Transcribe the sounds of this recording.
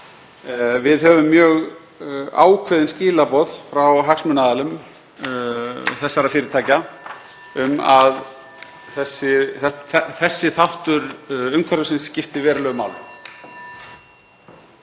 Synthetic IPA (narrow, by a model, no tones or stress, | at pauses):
vɪðɦœvʏmːjœːɣ | a̰ːwkʰvɛðɪnsciːlapɔðfɾawɦaksmʏnaðalʏm | θɛsːaɾafɪːɾɪɾt̪ʰaːjca | ʏmað | θɛsːɪθɛɛθɛsːɪθawht̪ʏɾʏmkʰvaɾʏsɪnsːcɪft̪ɪvɛːɾʏlœɣʏmaːwlʏ̰m